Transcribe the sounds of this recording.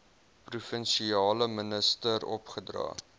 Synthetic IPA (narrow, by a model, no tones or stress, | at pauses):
prufənʃiɑːləmənəstəɾɔ̰pχədrɑ̰ː